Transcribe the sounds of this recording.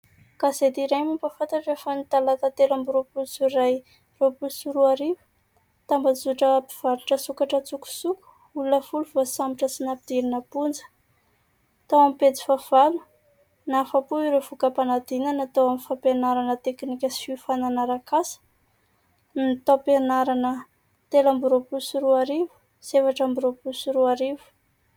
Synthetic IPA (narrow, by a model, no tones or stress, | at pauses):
kazet̪iɾajmimpafant̪aʈ͡ʂefanit̪alat̪at̪elambiropusuraj | ropulsuɾuaɾivu̥ | t̪ambazuʈ͡ʂəpiv̥aɾuʈ͡ʂəsukaʈ͡ʂət͡suku̥suku̥ | ulunəfuluvasambiʈ͡ʂəsinapid̪̥iɾinəpund͡zə̥ | t̪awamipet͡si̥fav̥alu̥ | nafapuiɾevukəpanad̪inanat̪awamifapenaɾanət̪eknikʲəsifananaɾakasə̥ | nit̪apenaɾanə | t̪elambuɾopusiɾuaɾivu̥ | z̥evaʈ͡ʂambuɾopusuɾuaɾivu̥